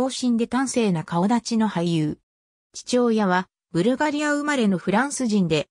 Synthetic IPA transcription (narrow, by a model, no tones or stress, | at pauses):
o̞ːɕĩnd̪e̞t̪ãɰ̃se̞ːnakao̞d̪at͡ɕino̞haijɯː | t͡ɕi̥t͡ɕo̞ːjaβ̞a | bɯ̟ɾɯ̟ɡaɾʲiaɯ̟maɾe̞no̞ɸɯ̟ɾãɰ̃sɨʑĩnd̪e̞